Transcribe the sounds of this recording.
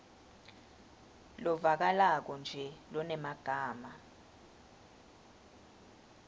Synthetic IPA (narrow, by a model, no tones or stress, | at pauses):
lɔvak̬alak̬ɔnd͡ʒʱɛlɔnɛmaɡ̥ʱaːma